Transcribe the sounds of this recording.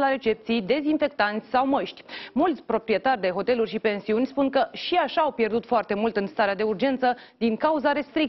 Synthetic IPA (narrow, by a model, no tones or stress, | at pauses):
laɾe̞t͡ʃe̞p̚t̪sijd̪e̞zinfe̞k̚t̪ant̪ʲsawməʃt̪ʲmult̪sʲpɾo̞pɾie̞t̪arʲd̪e̞ɦo̞t̪e̞lurʲʃipe̞nsiunʲspunkəʃiaʃaːwpje̞rd̪ut̪foart̪e̞mult̪ɨnst̪aɾead̪e̞urd͡ʒe̞nt̪sə | d̪iŋkauzaɾe̞st̪ɾik